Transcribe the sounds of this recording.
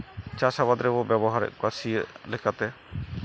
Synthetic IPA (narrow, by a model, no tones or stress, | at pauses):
t͡ʃasabad̪ɾɛbɔbɛbɔɦaɾɛ̰ʔkasiəʔlɛkʰat̪ɛ